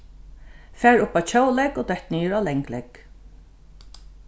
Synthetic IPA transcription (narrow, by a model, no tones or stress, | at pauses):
fæːɹʊpawt͡ɕʰoːwlɛkod̪ɛht̪niːjəɹalɛŋklɛk